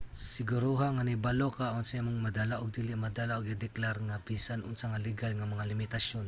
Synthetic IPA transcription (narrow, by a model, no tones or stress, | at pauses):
sɪɡʊɾuɦaŋanɪbalokaonsaamoŋmɐd̪alaʔoɡ̚d̪iːlɪʔmɐd̪alaʔoɡɪd̪ɛklaɾŋabiːsanʔʊŋsɐŋalɪɡalŋɐmɐŋalɪmɪt̪asjon